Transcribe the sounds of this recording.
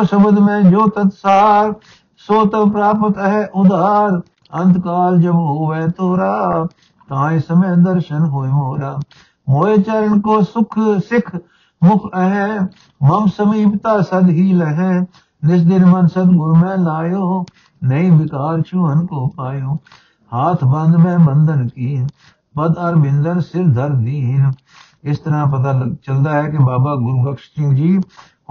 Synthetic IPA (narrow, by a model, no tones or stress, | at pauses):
osəbəd̪mẽːd͡ʒoːt̪ɐt̪saːɾ | soːt̪əpɾaːpət̪ɦɛʔʊd̪aːɾ | ɐ̃nt̪kaːld͡ʒɐbɦoːʋet̪oːɾaː | t̪ãːĩːsɐmẽd̪əɾʃənɦoːemoːɾaː | moːet͡ʃəɾənkoːsʊkʰsɪkʰ | mʊkʰəɦẽ | mɐmsəmiːpt̪aːsɐd̪ɦiːləɦẽ | nɪs̬d̪ɪnmənsəd̪ɡʊɾmɛ̃ːlaːjoː | nəĩːʋɪkaːɾt͡ʃʰuːənkoːpaːjõː | haːt̪ʰbə̃nd̪mɛ̃ːbənd̪ənkiːn | pəd̪əɾbɪ̃nd̪ənsɪɾd̪ʱəɾd̪iːn | ɪst̪əɾãːp̬ɐt̪aːləɡt͡ʃəld̪aːɦɛːkebaːbaːɡʊɾɡəkʃt͡ʃĩːd͡ʒiː